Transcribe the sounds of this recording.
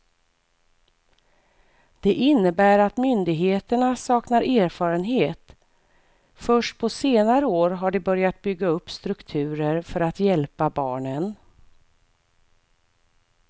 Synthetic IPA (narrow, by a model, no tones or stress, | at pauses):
d̪̥ɛʔɪnːəbæːɾat̪mʏnd̪ɪɡɦeːt̪əɳasɑːknaɾʔæːɾfɑːɾənɦeːt̪ | fœʂʈ̚pʰɔseːnaɾəoːɾɦaɖɛbœɾjat̪̚bʏɡːaɵpːst̪ɾɵkt̪ʰʉ̟ːɾəɾfœɾat̪jɛlpabɑːɳən